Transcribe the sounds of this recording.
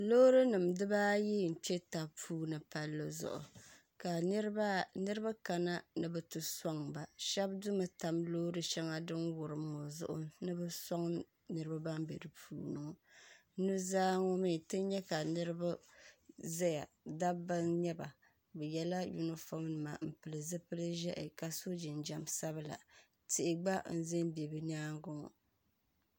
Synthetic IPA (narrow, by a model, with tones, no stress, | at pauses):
lo˦ɾɨ˦nɨ˨mdɨ˦baː˦ji˦˨n̩˨t͡ʃɛ˦ta˨pʰuː˦nɨ˨pa˦lːɨ˦zʊ̰˨ʔʊ̰˨ | ka˨˦nɨ˦ɾɨ˦ba˦ka˨na˦nɨ˦bɛ˨tɨ˨sɔ˦ŋba˨ʃɛ˦b̚du˦ma˨ta˨mloː˦ɾɨ˦ʃɛ˦ŋa˦dɨ˦nwʊ˨ɾɨ˨m˦˨ŋɔ˨zʊ̰˦ʔʊ̰˨nɨ˦bɛ˦sɔ˦ŋ | nɨ˦ɾɨ˦ba˦ba˦mbḛ˨dɨ˨pʰṵː˦nɨ˨ŋ˨˦ | nɨ˦zaː˦ŋɔ˦mi˦˨tɨ˦ɲɛ˦ka˨nɨ˦ɾɨ˦ba˦ | zɛ˦ja̰˨ | da˦ba˦nɲɛ˦ba̰˨ | bɛ˨jɛ˦la˦ju˦nɨ˦fo˦mnɨ˨ma˨m̩˨pɨ˨lɨ˨zɨ˦pɨ˦lɨ˦ʒɛ˦ʔɪ̰˨ka˨so˦d͡ʒɪ˨nd͡ʒa˨msa˦bɨ˦la̰˨ | tɪ˨ʔɪ˨ɡ͡ba˦n̩˦zɪ˦nbɛ˨bɨ˦ɲ˦aː˦ŋ˦ɡʊ˦ŋɔ̰˨